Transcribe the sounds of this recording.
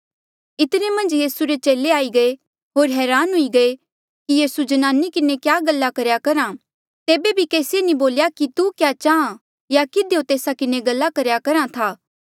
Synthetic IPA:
ɪt̪ɾemɐ̃nd͡ʒjiːsuɾet͡ʃeːleaːiɡɐe | ɦoːɾɦɛːɾaːnɦʊiɡɐe | kijiːsud͡ʒɐnaːnikɪnekjaːɡɐlːakɐɾjakɐɾã | t̪eːbebʱikeːsenĩboːljakit̪ukjaːt͡ʃaːã | jakɪd̪ejot̪eːsakɪneɡɐlːakɐɾjakɐɾãt̪ʰaː

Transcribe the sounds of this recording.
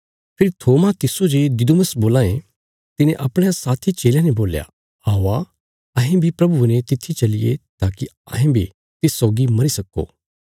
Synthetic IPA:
pʰɪɾit̪ʰoːmat̪ɪsod͡ʒed̪ɪd̪uməsboːlaːḛ̃ | t̪ɪnẽʔɐpɽ̃jasaːt̪ʰit͡ʃeːljãnɛboːlja̰ | aːoa | ɐɦẽbʱipɾɐbunɛ̃t̪ɪt̪ʰːit͡ʃɐlɪjḛt̪aːki | ɐ̰ɦẽbʱḭ | t̪ɪsːɔːɡimɐɾisɐkːo̰ː

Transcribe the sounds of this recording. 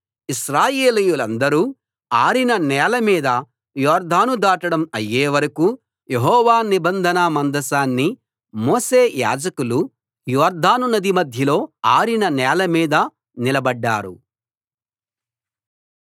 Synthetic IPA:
iʃɾaːjeːlijulɐnd̪ɐɾuː | aːɾinɐnɛːlɐmiːd̪ɐ | jɔːɾd̪ʱaːnud̪aːʈɐɽɐmɐjːeːʋɐɾɐku | jeɦɔːʋaːnibɐnd̪ʱɐnɐmɐnd̪ɐsaːnːi | moːse̞ːja̰ːd͡ʒɐkulu | jɔːɾd̪ʱaːnunːɐd̪imɐd̪ʱjɐlo̞ːaːɾinɐnɛːlɐmiːd̪ɐ | nilɐbɐɖːaːɾṵ

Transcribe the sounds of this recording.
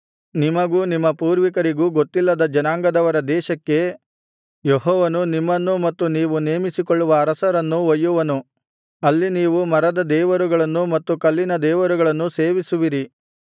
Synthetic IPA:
nimɐɡuːnimːɐpuːɾʋikɐɾiɡuːɡot̪ːilːɐd̪ɐd͡ʒɐnaːŋɡɐd̪ɐʋɐɾɐd̪ɛːʃɐkːe̞ | joɦɔːʋɐnunimːɐnːumɐt̪ːuniːʋuneːmisikoɭːuʋɐːɾɐsɐɾɐnːuʋɐjːuʋɐnu | ɐlːiniːʋumɐɾɐd̪ɐd̪ɛːʋɐɾuɡɐɭɐnːumɐt̪ːukɐlːinɐd̪ɛːʋɐɾuɡɐɭɐnːuse̞ːʋisuʋiɾi

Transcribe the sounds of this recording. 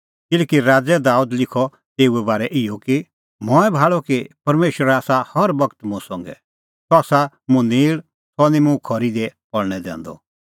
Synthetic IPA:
kɪlɛːkiɾaːd͡zɛd̪aːud̪lɪkʰɔ | t̪eːuɛbaːɾɛʔɪjɔki | mɔːɛbʱaːɭɔkipɐɾmeːʃɾaːsahɐɾbɐkt̪mʊ̃ɛsɔ̃ŋɡɛ̰ | sɔsa | mʊ̃niːɭ | sɔnimʊ̃kʰɔɾid̪ɛpɔɽɽ̃ɛd̪ɛ̰̃ːnd̪ɔ̰

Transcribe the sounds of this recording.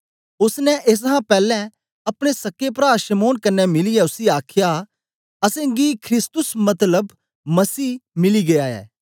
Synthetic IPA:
ʊsnɛʔes̬ɦãpɛːlɛ̃ | ɐpɽ̃esɐkːep̬ɾaːʃɐmoːnkɐnːɛmɪliɛʊsiaːkʰɪja | ɐsẽːɡikʰɾɪst̪ʊsmɐt̪ləb | mɐsiːmɪliɡejaːɛ̰ː

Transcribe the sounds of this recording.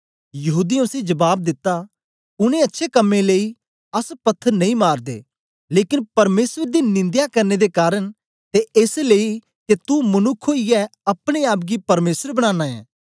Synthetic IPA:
jɐɦuːd̪ĩʊsid͡ʒɐbaːb̚d̪ɪt̪ːa | ʊnẽɐtːʃʰekɐmːẽleːi | ɐspɐt̪ʰːəɾnɐ̃ĩmaːɾd̪ḛː | leːkɪnpɐɾmeːsəd̪inɪ̃nd̪jakɐɾned̪ekaːɾəɽ | t̪eʔeːslei | ket̪umɐnʊkʰːoɪjɛɐpɽ̃eaːp̬̚ɡipɐɾmeːsəɾbɐɽ̃ãːnãːɛ̰̃ː

